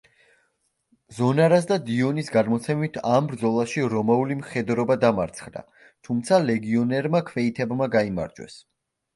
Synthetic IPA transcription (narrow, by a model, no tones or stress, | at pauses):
zɔnaɾas̬d̪ad̪iɔnisɡaɾmɔt̪sʰɛmit̪ʰambɾd̪zɔlˠaʃiɾɔmaulimχɛd̪ɾɔbad̪amaɾt̪sʰχd̪a̰ | t̪ʰumt̪sʰalɛɡiɔnɛɾmakʰvɛit̪ʰɛbmaɡaima̰ɾd͡ʒwɛ̰s